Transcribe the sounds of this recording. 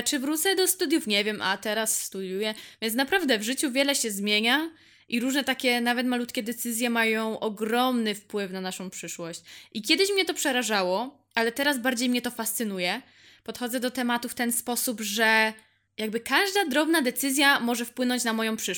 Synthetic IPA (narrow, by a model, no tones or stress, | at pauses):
t͡ʂɘvɾut̪sɛd̪ɔst̪ud̪jufɲɛvʲjɛmʔa̰t̪ɛɾasːt̪ud̪ʲjujɛvʲjɛnsnapɾavd̪ɛvʐɘt͡ɕuvʲjɛlɛɕɛzmʲjeɲa | ʔiɾuʐnɛt̪akʲɛnavɛt̪malut̪kʲɛd̪ɛt̪sɘzʲjɛmajɔ̃w̃ʔɔɡɾɔmnɘfpwɘfnanaʂɔ̃w̃pʂɘʂwɔɕt͡ɕʔikʲjɛd̪ɘɕmɲɛt̪ɔpʂɛɾaʐawɔ | ʔalɛt̪ɛɾazbaɾd͡ʑejmɲɛt̪ɔfast̪sɘnujɛ | pɔt̪xɔd̪zɛd̪ɔt̪ɛmat̪uft̪ɛnspɔsubʐɛ | jaɡbɘkaʐd̪ad̪ɾɔbnad̪ɛt̪sɘzʲjamɔʐɛfpwɘnɔ̃ɲt͡ɕnamɔjɔ̃w̃pʂɘ